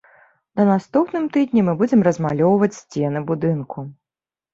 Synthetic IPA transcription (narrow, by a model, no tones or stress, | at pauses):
nɐnast̪upnɨmt̪ɨd̪ʲnʲimɨbud͡zʲɛmrɐzmalʲɔwvɐt͡sʲsʲt͡sʲɛnɨbud̪ɨnkʰu